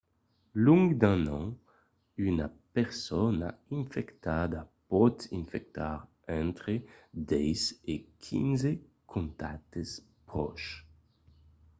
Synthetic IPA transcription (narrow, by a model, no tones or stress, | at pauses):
lũŋɡd̪ɛ̃nɑ̃ | ynapɛʁsɔna̰ĩfɛkt̪ad̪apɔt̪ĩnfɛk̚t̪aʁ | ɛ̃nt̪χed̪ɛjzekʰḭ̃nze | kʰɔ̃nt̪at̪es | pʁɔ̰ʃ